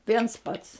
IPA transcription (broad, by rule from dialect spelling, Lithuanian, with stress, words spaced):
ˈʋʲiɛns ˈpɐts